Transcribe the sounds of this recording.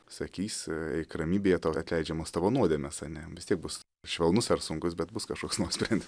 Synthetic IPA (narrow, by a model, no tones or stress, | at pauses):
sɐkʲiːsʲɛɪkrɐmʲiːbʲeːjɛt̪oːɐt̪ʲlʲɛɪd͡ʒʲɛmoːst̪ɐʋonuɔd̪ʲeːmʲɛsɐnʲɛʋʲɪst̪ʲiɛk̚bʊs | ʃʲʋʲɛlˠnʊsɐɾsʊŋkʊsbʲɛt̪bʊskɐʃkoɔksnoɔsʲpʲɾʲɛnʲd̪ʲɪ